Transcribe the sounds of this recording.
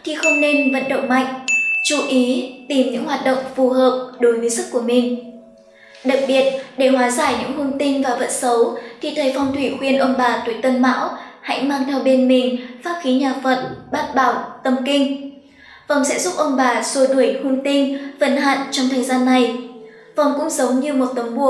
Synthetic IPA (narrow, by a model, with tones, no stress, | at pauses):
t̪ʰi˨˩xə˧wŋ͡mne˧nvə̰˧˨nɗə̰˧˨wŋ͡mma̰˧˨jŋ̟t͡ɕu˧˩ʔi˨˦t̪i˨˩mɲɨ̰˧˥ŋhwaː˨˩t̚ɗə̰˧˨wŋ͡mfu˨˩ɦəː˨˩p̚ɗo˨˦jvəː˨˦jsɨ˦˥kːu˧˩əmï˨˩ŋ̟ | ɗa˨˩k̚ɓi˨˩ət̚ɗe˧˩hwaː˨˦zaː˧˩jɲɨ̰˧˥ŋhu˧nt̪ï˧ŋ̟vaː˨˩və̰˧˨nsə˨˦wt̪ʰi˨˩t̪ʰəː˨˦jfɔ˨˧wŋ͡mt̪ʰwi˧˩xwi˧ənʔə˧wŋ͡mɓaː˨˩t̪u˨˩əjt̪ə˧nma̰ː˧˥wha̰˧˥jmaː˧ŋt̪ʰɛ˧wɓe˧nmï˨˩ŋ̟faː˦˥p̚xi˨˦ɲaː˨˩fə̰˧˨nɓaː˦˥t̚ɓaː˧˩wt̪ə˨˩mkï˧ŋ̟ | vɔ˨˩wŋ͡msɛ̰˧˥zʊ˦˥p̚ʔə˧wŋ͡mɓaː˨˩so˧˩t̪u˧˩jhu˧nt̪i˧ŋ̟və˧˩nha̰ː˧˨nt͡ɕɔ˧wŋ͡mt̪ʰəː˨˩jzaː˧nːa˨˩j | vɔ˨˩wŋ͡mkʊ̰˧˥ŋ͡mzə˨˦wɲɨ˧mo˨˩t̚t̪ə˨˦ŋ͡mɓu˧˩ə